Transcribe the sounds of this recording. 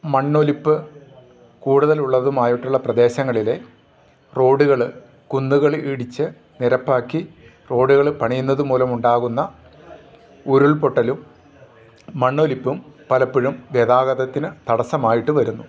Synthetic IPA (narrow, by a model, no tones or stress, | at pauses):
mɐɳːo̞lipːɨ | kuːɽuðɐluɭːɐðumaːjiʈːuɭːɐprɐd̪e̞ːɕɐŋːɐɭile̞ | ro̞ːɖuɣɐɭɨ | kunːuɣɐɭiɽit͡ɕːɨ | niɾɐpːaːkːi | ro̞ːɽuɣɐɭpɐɳijunːɐðumuːlɐmuɳɖaːɣunːɐ | oɾuɭpo̞ʈːɐlum | ɐɳːo̞ːlipːumpɐlɐpːiɻumʋjeðaːɣɐðɐt̪ːinɨt̪ɐɽɐsɐmaːjiʈːuʋɐɾunːu